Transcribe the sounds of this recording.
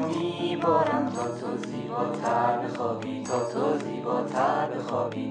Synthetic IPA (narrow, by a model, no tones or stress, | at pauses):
miːbɒːɾæmt̪ʰɒːt̪ʰoziːbɒːt̪ʰæɾbexɒːbiːt̪ʰɒːt̪ʰoziːbɒːt̪ʰæɾbexɒːbiː